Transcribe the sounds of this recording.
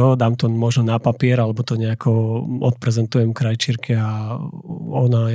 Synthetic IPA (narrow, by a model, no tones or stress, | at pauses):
ɔd̪aːmt̪ɔmɔʒnɔnapapɪɛɾalɛbɔt̪ɔɲɛakʰɔɔt̪̚pɾɛzɛnt̪ujɛmkɾajt͡ʃiɾkʰia | ɔna